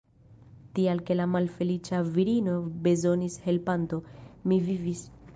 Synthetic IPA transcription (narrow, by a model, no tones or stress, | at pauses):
tialke̞lamalfe̞lit͡ʃaviɾino̞be̞zo̞nishe̞lpanto̞mivivis